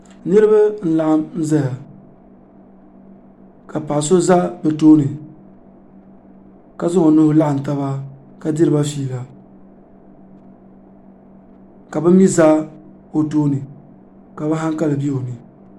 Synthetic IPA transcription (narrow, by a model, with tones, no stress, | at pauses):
nɨ˦ɾɨ˦ba˦n̩˦la˦ʔa˦mn̩˦za˦ja˨ | ka˨pa˨ʔs̬o˦za˦bɛ˨toː˦nɨ˨ | ka˦zʊ˦ŋo˨nʊ˦hʊ˦la˦ʔa˨n̩˨ta˦βa˦ | ka˨dɪ˦ɾɨ˨ba˦fiː˦˨la˨ | ka˨bɨ˦mi˦za˦ | o˨toː˦nɨ˨ | ka˨bɛ˦ɦa˦ŋka˦lɨ˨bi˦o˨nɨ˨